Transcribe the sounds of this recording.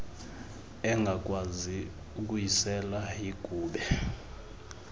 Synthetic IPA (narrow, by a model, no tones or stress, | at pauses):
ɛŋɡʱakʼwazi | uk̬ʼujisɛlaiɡ̥ʱuːɓɛ